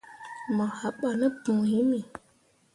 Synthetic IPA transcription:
ma˨ha˨ɓa˨nə˦pu˨i˦mi˨

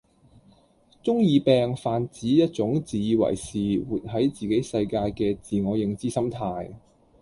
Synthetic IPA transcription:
t͡sʊ˥ŋjiː˧pɛː˧ŋfaː˨˧nt͡siː˨˥jɐ˥t̚t͡ʃʊ˨˥ŋt͡siː˨ji˧wɐ̰˨˩jsiː˨˩wuː˨t̚ɦɐ˨˥jt͡siː˨ke˨˥jsɐ˧jkaː˧jkɛː˧t͡siː˨˩ŋɔː˨˧jɪ˧ŋt͡siː˥sɐ˥mt̪ʰaː˧j

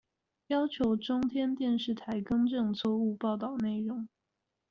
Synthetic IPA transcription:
jɑ˥ʊt͡ɕʰjo˧˥ʊʈ͡ʂʊ˥ŋt̪ʰjɛ˥nt̪jɛ˥˧nʂɻ̩˥˩t̪ʰa˧˥ɪkɤ˥ŋʈ͡ʂɤ˥˧ŋt͡sʰwɔ˥˧u˥˧pɑ˥˧ʊt̪ɑ˥˩ʊne˥˩ɪɻʊ˧˥˦ŋ

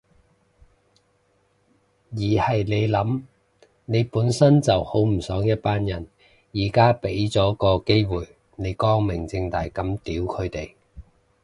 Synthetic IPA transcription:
jiː˨˩hɐ˨jne˨˧jlɐ˨˥m | ne˨˧jpuː˨˥nsɐ˥nt͡sɐ˨who˨˥wm̩˨˩sœː˨˥ŋjɐ˥t̚paː˥njɐ˨˩n | jiː˨˩kaː˥pe˨˥jt͡sɔː˨˥kɔː˧ke˥jwuː˨˩j | ne˨˧jkɔː˥ŋmɪ˨˩ŋt͡sɪ˧ŋt̪aː˨˩jkɐ˨˥mt̪iː˨˥wkʰɵ˨˧ɥt̪e˨˩j

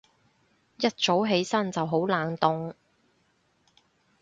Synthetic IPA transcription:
jɐ˥t̚t͡so˨˥wɦe˨˥jsɐ˥nt͡sɐ˨wɦo˨˥wlaː˨nt̪ʊ˨ŋ

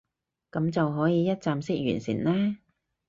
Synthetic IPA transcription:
kɐ˨˥mt͡sɐ˨wɦɔː˨˥jiː˨˧jɐ˥t̚t͡saː˧msɪ˥k̚jy̰ː˨˩nsḭː˨˩nlɛː˥

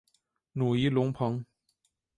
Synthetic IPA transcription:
nu˨˩i˨˥lʊ˧˥ŋpʰɤ˨˧˥ŋ

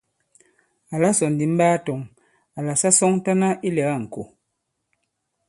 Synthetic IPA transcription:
a˨la˦sɔ˨n˨di˨m̩˦baː˦tɔ˨ŋ | a˨la˨sa˦sɔ˦ŋta˦na˦ʔi˦lɛ˨ɣa˦˨ŋ̩˨ko̰˨

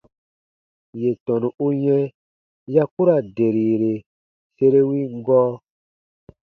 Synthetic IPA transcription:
je˨tɔ̃˨nũ˨u˦ɲɛ̃˦ | ja˦ku˦ɾa˨de˨ɾiː˨ɾe˨ | se˦ɾe˦wi˦ŋ˦ɡɔː˦

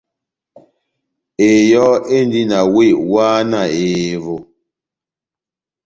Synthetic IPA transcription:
e˨jɔ˦e˦n˦di˦na˨we˦˨ʔwaː˦na˨e˨vo˨

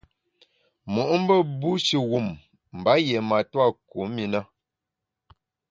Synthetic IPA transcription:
mu˨ʔm̩˦bə˦bu˦ʃi˨ɣu˦˨m | m̩˨ba˨˦je˨ma˨twa˦˨ku˨˦mi˨na˦

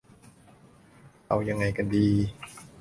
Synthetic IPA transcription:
ʔa̰˧˩wja˧ŋːa˧˩jka˧ndiː˧

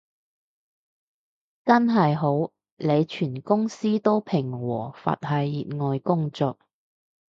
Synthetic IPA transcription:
t͡sɐ˥nɦɐ˨jɦo˨˥w | le˨˧jt͡ʃʰyː˨˩nkʊ˥ŋsiː˥t̪o˥wpʰɪ˨˩ŋwɔː˨˩fa̰ː˨t̚hɐ˨˧jːiː˨t̚ŋɔː˨jkʊ˥ŋt͡sɔː˨k̚

